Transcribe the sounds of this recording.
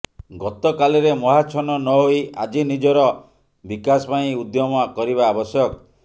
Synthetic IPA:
ɡɔt̪ɔkaliɾemɔɦat͡ʃʰɔnɔnɔɦoia̰d͡ʒinid͡ʒɔɾɔ | bikasɔpaĩud̪jɔmɔkɔɾiβbaːbɔsjɔkɔ

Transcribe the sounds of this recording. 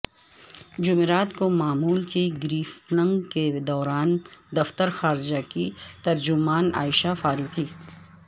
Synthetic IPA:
d͡ʒʊmeɾaːt̪komaːmuːlkiɡɾiːfnə̃ŋɡked̪ɔːɾaːnd̪ɐft̪əɾxaːɾd͡ʒakit̪ɐɾd͡ʒʊmaːna̰ːɪʃafaːɾuːqi

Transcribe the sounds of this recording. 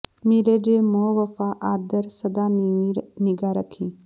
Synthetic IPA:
miɾed͡ʒeːmoːʋɐfaːʔaːd̪əɾsɐd̪aː | nɪɡaɾəkʰĩː

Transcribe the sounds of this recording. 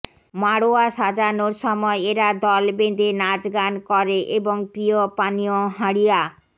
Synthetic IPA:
maɽoaʃad͡ʑanoɾʃɔmɔeeɾad̪ɔlbed̪enad͡ʑɡankɔɾeʔeboŋpɾiopanioɦaɽija

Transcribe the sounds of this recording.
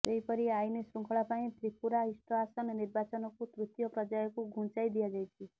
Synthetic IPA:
d͡ʒeɦipɔɾiajnesɾuŋkʰɔɭapaĩt̪ʰɾipuɾaɦisʈɔasɔnɔniɾbat͡ʃɔnɔkut̪ɾut̪jɔpɾɔd͡ʒajɔkuɡʱũnt͡ʃajd̪ijad͡ʒajt͡ʃʰi

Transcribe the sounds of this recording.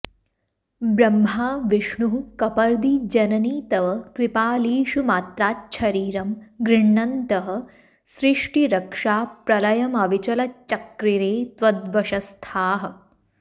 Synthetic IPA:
bɾɐmɦaːʋiʂɳuɦukɐpɐɾd̪id͡ʒɐnɐniːt̪ɐʋɐkɾipaːliːʃumaːt̪ɾaːt̪̚t͡ʃʰɐɾiːɾɐmɡɾiɳːɐnt̪ɐɦɐ̆ | sɾiʂʈiɾɐkʂaːpɾɐlɐjɐmɐʋit͡ʃɐlɐt͡ʃɐkɾiɾeːt̪ʋɐd̪ʋɐʃɐst̪ʰaːɦɐ̆

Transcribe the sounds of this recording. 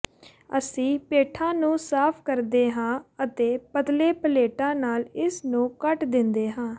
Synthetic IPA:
ə̰sĩːpeːʈʰãːnũːsaːpʰkəɾd̪eːɦãːət̪eːpət̪leːpəleːʈãːnaːlɪsnũːkəʈd̪ɪnd̪eːɦãː

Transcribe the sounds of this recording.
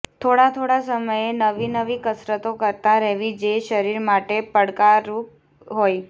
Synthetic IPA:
t̪ʰoɽat̪ʰoɽasəməjenəʋinəʋikəsɾət̪okəɾt̪aɾəɦʋid͡ʒeʃəɾiɾmaʈepəɽkaɾu | ɦoj

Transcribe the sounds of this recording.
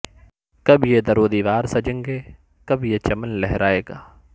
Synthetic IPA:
kɐbʱjed̪ɐɾoːd̪iːʋaːɾsɐd͡ʒɪ̃ŋɡeː | kɐbʱjet͡ʃɐmənlɛɦɾaːeːɡaː

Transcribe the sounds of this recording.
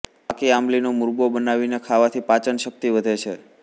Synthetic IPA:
akiamlinomʊɾbobənaʋinekʰaʋat̪ʰipat͡ʃənʃək̚t̪iʋəd̪ʱet͡ʃʰe

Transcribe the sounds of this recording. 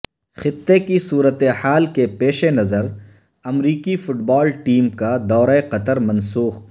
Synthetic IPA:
xɪt̪ːekisuːɾət̪ehaːlkepeːʃenɐzəɾ | ɐmɾiːkifʊʈbɔːlʈiːmkad̪ɔːɾaeqɐt̪əɾmɐ̃nsuːx

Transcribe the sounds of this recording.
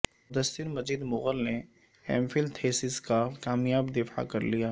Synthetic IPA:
mʊd̪əsːɪɾmɐziːd̪mʊɣəlne | ɛ̰ːmfɪld̪t̪ʰeːsɪzkakaːmjaːbd̪ɪfa̰kɐɾlijaː

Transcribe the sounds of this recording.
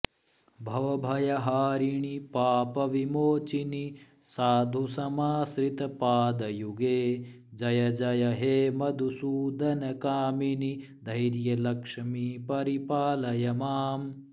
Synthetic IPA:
bʱɐʋɐbʱɐjɐɦaːɾiɳ̃ipaːpɐʋimoːt͡ʃini | saːd̪ʱusɐmaːsɾit̪ɐpaːd̪ɐjuɡeː | d͡ʒɐjɐd͡ʒɐjɐɦeːmɐd̪ʱusuːd̪ʱɐnɐkaːmini | d̪ʱɐjɾjɐlɐkʂɐmiːpɐɾipaːlɐjɐmaːm

